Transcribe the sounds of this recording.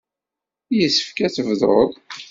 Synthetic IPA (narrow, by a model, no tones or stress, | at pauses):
jəsːə̥fkæθəvðɾˤo̰ðˤ